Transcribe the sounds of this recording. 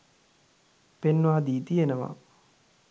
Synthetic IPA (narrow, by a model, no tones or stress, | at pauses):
penːʋaːd̪iːt̪ijenəʋa̰